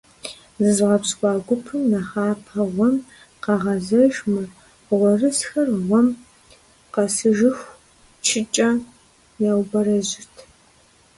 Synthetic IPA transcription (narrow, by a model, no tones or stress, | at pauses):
zɨzʁɐpskʷʼɑːɡʷʊpʰɨmnɐχaːpʰɐʁʷɔm | qɐʁɐzɐʒmɨ | ʁʷɔrɨsxɐrʁʷɔm | qɐsɨʒɪxʷ | t͡ʃʰɪt͡ʃʼɐ | jawbɐɾɐʑɪtʰ